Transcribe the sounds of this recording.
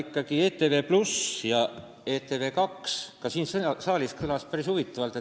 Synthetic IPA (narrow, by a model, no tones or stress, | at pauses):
ikːˑɑɡie̞ːt̪eve̞ːplusjɑ | e̞ːt̪e̞ve̞ːkɑkskɑsiːnssɑːliskɯlɑspæɾishuvit̪ːˑɑvɑlt̪ˑe